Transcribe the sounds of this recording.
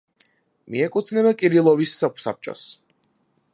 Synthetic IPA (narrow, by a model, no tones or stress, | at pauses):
miɛkʼut̪ʰnɛbakʼiɾilˠɔvissa̰p̚t͡ʃʼɔ̰s